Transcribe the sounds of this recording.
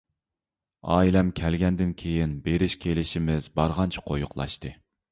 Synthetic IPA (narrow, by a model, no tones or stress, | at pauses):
ɑ̰ːilɛmkʲʰɛlɡʲɛnd̪ɪnkʲʰejinbeɾɪʃkʲʰelɪʃimɪzbɑɾʁɑnt͡ʃʰɪ̥qʰo̰jʊqlˠɑ̰ʃt̪ɨ